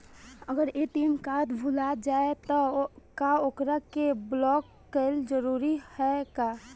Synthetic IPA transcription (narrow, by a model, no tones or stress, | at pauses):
əɡəɾet̪iːnkaːt̪bʱulad͡ʒaːet̪ɔkaokɾakeblɔːkːeld͡ʒəɾuːɾihɛkaː